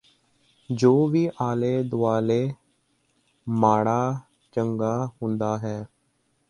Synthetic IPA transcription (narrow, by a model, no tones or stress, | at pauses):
d͡ʒoːʋiːʔaːleːd̪ʊaːleː | maːɽaː | t͡ʃəŋɡaːɦʊnd̪aːɦɛː